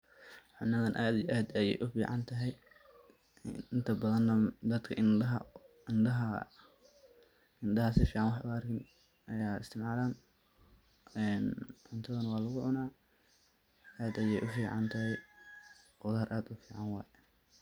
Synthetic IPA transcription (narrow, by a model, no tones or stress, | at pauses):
ħʊnːɐðɐnʔaːd̪ijʔaːd̪ɐjɛ̰jʔʊfiːʕɑnt̪ʰɐɦɛj | ɪnt̪ʰɐbɐðɐnːɐd̪ɐd̪kʰɐʔɪɐɦɐ | nd̪ɐɦɐ | ɪnd̪ɐɦɐsɪfiːʕɑnwɑħʊɐrkʰɪn | ʔɐjaːɪst̪ʰɪmʕaːlaːn | ɛːnʕʊnt̪ʰɐðɐnɐwɑːlɐɣʊʕʊnaː | ʔaːd̪ɐjɛjʔʊfiːʕɑnt̪ʰɐɦɛj | qʊðaːrʔaːd̪ʊfiːʕɑnwɑːjɛ